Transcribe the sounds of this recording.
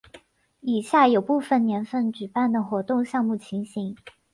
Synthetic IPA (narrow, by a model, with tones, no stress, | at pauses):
i˨˩ɕja˥˩jo˨˩ʊpu˥˩fə˨˩nnjɛ˧˥nfə˥˩nt͡ɕy˨˩pa˥˩nd̪ə˩xwɔ˧˥t̪ʊ˥˧ŋɕjɑ˥˧ŋmu˥˩t͡ɕʰi˧˥ŋɕi˧˥˦ŋ